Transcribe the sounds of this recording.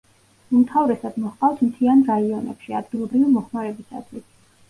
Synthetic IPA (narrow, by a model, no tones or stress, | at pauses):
umt̪ʰavɾɛsad̪mɔhqʼaft̪ʰmt̪ʰianɾaiɔnɛ̰pʃiad̪ɡilˠɔbɾivimɔχmaɾɛbisa̰t̪ʰwis